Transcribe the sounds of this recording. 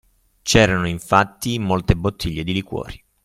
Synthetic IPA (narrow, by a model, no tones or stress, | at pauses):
t͡ʃɛːɾanoiɱfat̪ːimolt̪ebot̪ʰːiʎːed̪ilikwɔ̰ːɾi